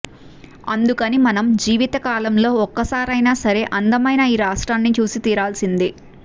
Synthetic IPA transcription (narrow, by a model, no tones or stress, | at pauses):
ɐnd̪ukɐnimɐnɐmd͡ʒiːʋit̪ɐkaːlɐmlo̞ːɔkːɐsaːɾɐjnaːsɐɾe̞ːʔɐnd̪ɐmɐjnaːiːɾaːʂʈɾaːnːit͡ʃuːsit̪iːɾaːlsind̪i